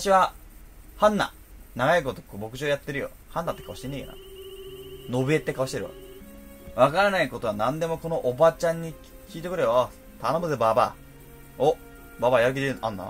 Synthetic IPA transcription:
t̪aɕiβa | hãnːa̰ | naɡajikot̪okoːbo̞kɯ̟̥ɕoːjat̪ːe̞ɾɯ̟jo̰ | hãnːat̪ːe̞kaoɕi̥t̪enːejo̰na̰ | no̞bɯ̟e̞t̪ːe̞kaβoɕi̥t̪e̞ɾɯjo̰ | βakaɾanaiko̞t̪o̞anãnd̪e̞mo̞ko̞no̞ʔobat͡ɕãɲ̟ːi | kʲiːt̪e̞kɯ̟ɾea | t̪anobɯzebaːba̰ː | o | baːbajak̬ʲid̪eɯnʔanːa̰

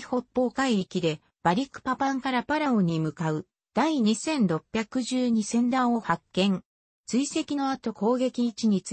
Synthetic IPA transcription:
ho̞pːo̞ːkaiikʲid̪e̞ | b̥aɾʲikːɯ̥papãŋkaɾapaɾaõɲ̟imɯ̟kaɯ̟ | d̪̥aiɲ̟isẽ̞nɾo̞pʲjakɯ̟ʑɨːɲ̟isẽ̞nd̪ãɰ̃o̞hakːẽ̞ŋ | t͡sɨise̞kʲino̞at̪o̞ko̞ːɡe̞kʲiːt͡ɕiɲ̟it͡s

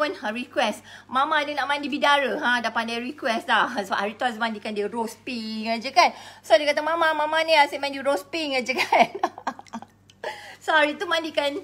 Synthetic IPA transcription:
ənaɾikwɛsmãmãːdənaʔmãndibidaɾəɦãdapandajɾikwɛslahsəba̰ʔhaɾit̪uasmãndikandiəɾospiŋad͡ʒəkansodikat̪amãmãmãmaniasemãndiɾospiŋad͡ʒəkan | sohaɾit̪umãndikan

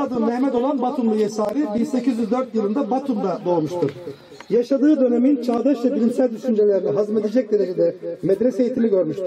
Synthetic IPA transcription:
ad̪ɯnlejmɛd̪o̞lˠanbat̪ʰumlˠujesaːɾibinse̞cizyzd̪øɾt̪jɯlˠɯnd̪abat̪ʰumd̪ad̪o̞lˠmuʃt̪ʰuɾ̥ | jaʃad̪ɯːd̪ø̞nemint͡ʃʰaːd̪aʃvɛbiɾinsælʲd̪yʃynd͡ʒelʲeɾinɛɦazmed̪ed͡ʒɛc̚d̪e̞ned͡ʒed̪ɛmed̪ɾesejit̪ʰilʲiɟøɾmyʃt̪u̥

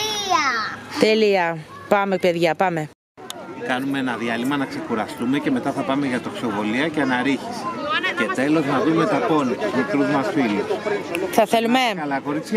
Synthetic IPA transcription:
t̪eliɐpɐme̞pe̞ðʝɐpɐme̞ | kɐnumeenɐðʝɐlimɐnɐkse̞kuɾɐst̪ume̞ce̞me̞t̪ɐθɐpɐme̞ʝɐt̪o̞kso̞vo̞liɐceɐnɐɾiçi̥sce̞t̪e̞lo̞znɐðume̞t̪ɐpo̞nit̪izmep̪ɾuðmɐsfiliθɐθe̞lumeɐlɐko̞ɾit͡s

